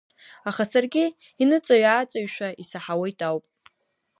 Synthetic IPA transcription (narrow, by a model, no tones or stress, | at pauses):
aχasarɡʲɪ | inɨt͡sʼaɥaːt͡sʼaɥʃʷᶣaisaħawejtʼawpʼ